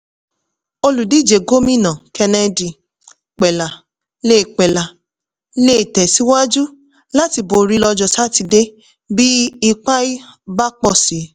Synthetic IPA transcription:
o˧lu˨di˨˦˨d͡ʒe˨ɡo˦mĩ˦˨nã˨kɛ˧nɛ˧di˧˨ | k͡pɛ˨la˨ | le˦˨k͡pɛ˨la˨ | le˦˨tɛ˨si˨˦wa˦d͡ʒu˦ | la˦ti˧˦bo˨ɾi˦lɔ˧d͡ʒɔ˧sa˦ti˧de˦ | bi˦i˧k͡pa˦i˦ba˦k͡pɔ˦˨si˨˦

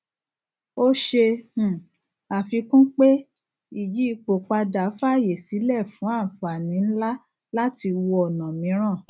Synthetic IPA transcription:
o˦ʃẽ˧˨ | a˨fi˧kũ˦k͡pe˦ | i˨ji˨˦i˦˧k͡po˨k͡pa˧da˨˦fa˦˨je˨si˨˦lɛ˦˨fũ˨˦a˦˨fa˨a˨nĩ˨˦n̩˦la˦ | la˦ti˧wo˧ɔ˨nã˨mĩ˨˦ɾ̃ã˦˨

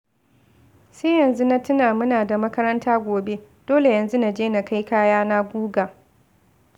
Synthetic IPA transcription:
se˦jɐ˨nzu˦na˦tʊ˦naː˨mʊ˦naː˨da˨mɐ˦kɐ˦ɾɐ˦ntaː˦ɡʷoː˨be˦ | d̥oː˦le˨jɐ˨nzu˦na˨d͡ʒeː˦na˨ka˦jkaː˦jaː˦na˦ɡʷuː˦ɡaː˨

